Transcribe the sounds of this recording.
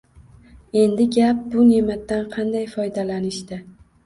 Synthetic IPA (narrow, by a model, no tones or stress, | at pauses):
e̞nd̪ɪɡʲap̚bʊne̞mat̪ːanqʰɑnd̪ajfɒjd̪alanɪʃt̪ɪ